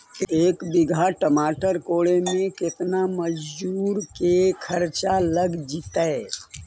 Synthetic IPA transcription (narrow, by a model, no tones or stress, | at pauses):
eːkbɪɡʱaʈəmaːʈəɾkoːɭemẽkɪt̪naməd͡ʒd͡ʒuːɾkekʰɐɾt͡ʃaləɡd͡ʒiːt̪aɛ